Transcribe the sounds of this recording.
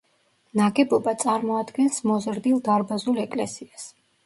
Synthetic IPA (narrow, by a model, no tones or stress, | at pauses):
naɡɛbɔbat̪sʼaɾmɔad̪ɡɛnsmɔzɾd̪ilˠd̪aɾbazulɛkʼlɛsias